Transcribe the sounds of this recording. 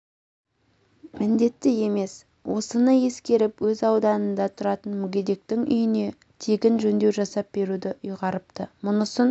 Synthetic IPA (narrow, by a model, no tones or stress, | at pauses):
mɪnd̪e̞t̪ːɪje̞me̞s | wʔo̞sənəje̞skʲe̞ɾɪpwɵzɑwd̪ɑnənd̪ɑt̪ʰʊɾɑt̪ənmʊɡʲed̪e̞k̚t̪ɪŋʔʏ̰jɪne̞ | t̪ʰeɡʲɪnʒɵnd̪e̞wʒɑsɑp̚b̥e̞ɾud̪ɪʊjʁɑɾəpt̪əmʊnəsən